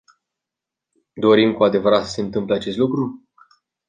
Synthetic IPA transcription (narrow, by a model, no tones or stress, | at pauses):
d̪o̞ɾimkuad̪e̞vəɾat̪sə̥se̞ɨnt̪ɨmpleat͡ʃe̞st̪lukɾu